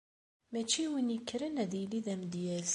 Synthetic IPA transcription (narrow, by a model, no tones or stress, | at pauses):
mæt͡ʃiwənikːɾənæðiliðæmd̪jæl